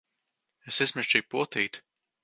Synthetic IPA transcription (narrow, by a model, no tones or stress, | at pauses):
esismʲɛʃt͡ʃiːpuɔt̪iːt̪